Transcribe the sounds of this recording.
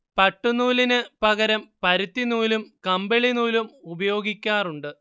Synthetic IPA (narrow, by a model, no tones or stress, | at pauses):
pɐʈːunuːlinɨpɐɣɐɾɐmpɐɾut̪ːinuːlumkɐmbeɭinuːlumubɐjo̞ːɡikʲːaːruɳɖɨ